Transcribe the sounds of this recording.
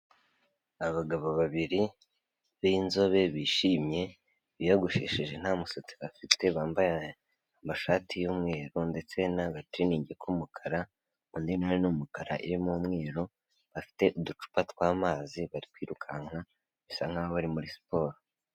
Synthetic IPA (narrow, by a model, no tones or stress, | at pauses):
aβaɡaβo̞βaβiɾi | βinzo̞βe̞βiːʃiːmje̞ | βijaɡuʃḛːʃiʒe̞n̥hamusot͡si̥βafitʰe̞βaːmbaja | amaʃaːtʰijumŋe̞ːɾonde̞t͡se̞naβatiniːɲɟekʰumukʰaɾa | undinoɾenumukaɾa̰ʔḭɾimumŋeːɾo | βafi̥te̞ʔudut͡ʃu̥patkwaːmaːziβaɾikwiːɾukʰaŋ̥ha | βisaŋ̥haβoβaɾimuɾispo̞ːɾo